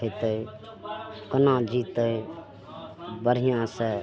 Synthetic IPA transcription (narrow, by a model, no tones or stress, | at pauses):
et̪əi | kənãd͡ʒiːt̪əi | bəɾijãse